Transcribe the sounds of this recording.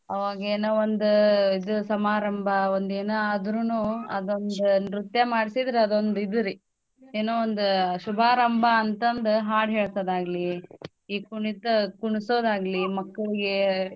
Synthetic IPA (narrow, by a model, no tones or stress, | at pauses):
ɐʋaːɡɐeːnoːond̪uid̪usɐmaːɾɐmbʱɐond̪eːnɐɐd̪ɾunuːɐd̪ond̪unɾut̪jɐmaːɽisid̪ɾeɐd̪o̞nd̪id̪ɐɾi | eːnoːond̪uʃubʱaːɾɐmbʱɐːnt̪ɐnd̪uɦaːɽɦeːɭsoːd̪aːɡɐli | iːkuɳit̪ɐkuɳisoːd̪aːɡɐlimɐkːɐɭiɡe